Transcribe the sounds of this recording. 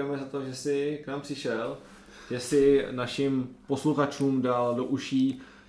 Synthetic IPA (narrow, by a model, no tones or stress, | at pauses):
ɛmɛzat̪o̞ʒɛsɪknaːmpr̥ɪʃɛl | ʒ̥ɛsɪnaʃɪmpo̞sluxat͡ʃuːmdaldoʔuʃiː